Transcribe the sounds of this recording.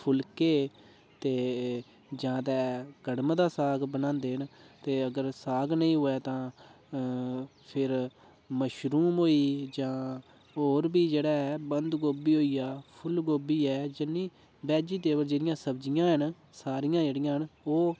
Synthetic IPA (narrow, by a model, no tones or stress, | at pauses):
pʰʊlkeː | t̪eː | d͡ʒãːt̪ɛ̃ːɡəɽmd̪aːsaːɡbənãːnd̪eːɦnt̪eːəɡəɾsaːɡnəĩːɦʊɛːt̪ãː | pʰɪɾ | məʃɾuːmɦoːiːd͡ʒãː | oːɾbiːd͡ʒeːɽaːɛːbənd̪ɡoːbiːɦoːiːaːpʰʊlɡoːbiːɛːd͡ʒɪnːiː | bɛːd͡ʒiːt̪eːbəɾd͡ʒeːɾɪjãːsəbd͡ʒɪjãːɦən | saːɾɪjãːd͡ʒeːɽɪjãːɦənoː